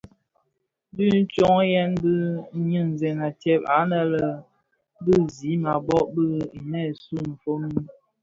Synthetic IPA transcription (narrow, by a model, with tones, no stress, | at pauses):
dʉ˦n̩˦t͡ʃɔ˦ŋ˦jɛ˦nbɨ˦ɲɨ˦˨n˨zɛ˨na˨tjɛ˦p̚a̰˨˦nə˨lə˨ | bɨ˦˨zi˨˦ma˨bɔ˦ʔbɨ˦i˨nɛ˦˨su˦m̩˨fo˦mi˦